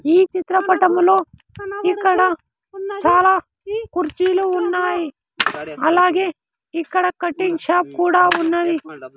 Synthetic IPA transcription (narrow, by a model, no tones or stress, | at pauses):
iːt͡ʃit̪ɾɐpɐʈɐmɐloːikːɐɽɐ | t͡ʃaːlaː | kuɾt͡ʃiːluunːaːji | ɐlaːɡeː | ikːɐɽɐkɐʈːiŋɡʃaːp̚kuːɽaːunːɐd̪i